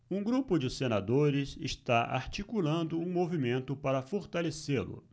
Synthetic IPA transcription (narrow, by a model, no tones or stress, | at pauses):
ũɡɾupʊd͡ʒɪsenad̪oɾɪsɪ̰ʃt̪aʔa̰ɾt͡ʃikulɐ̃nd̪ʊũmovimẽnt̪ʊpaɾɐfoɾt̪aleselʊ̰